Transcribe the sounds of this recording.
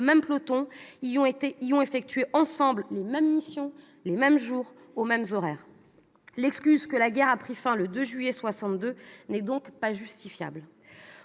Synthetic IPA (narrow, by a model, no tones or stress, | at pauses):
mɛmplot̪ɔ̃ijɔ̃et̪eiɔ̃efɛk̚t̪ɥeʔɑ̃sɑ̃bllemɛmːisjɔ̃ | lemɛmʒuʁ | omɛmzɔʁɛːʁ | lɛkskʲyzkəlaɡʲɛʁapχifɛ̃ləd̪øʒɥijɛswasɑ̃t̪d̪ønɛd̪ɔ̃kpaʒyst̪ifja̰bl